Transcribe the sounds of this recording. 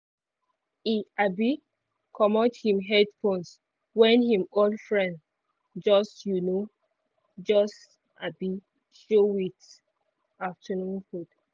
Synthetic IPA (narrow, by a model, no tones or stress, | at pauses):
iabi | kʰɔmɔdhĩmɦɛdfõns | wɛ̃nhĩmodfɹɛ̃nd | d͡ʒɔsjuno | d͡ʒɔs | ʔabi | ʃowit | aftʰənũnfud̥